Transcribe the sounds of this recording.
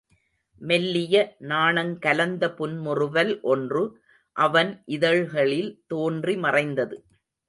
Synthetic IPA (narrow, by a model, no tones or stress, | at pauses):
mɛlːɪjɐnaːɳɐŋkɐlɐnd̪ɐpʊnmʊrɯʋɐlʔɔndrɯ | ʔɐʋɐnʔɪðɐɻɣɐɭɪlt̪oːndrimɐrɐɪnd̪ɐðɯ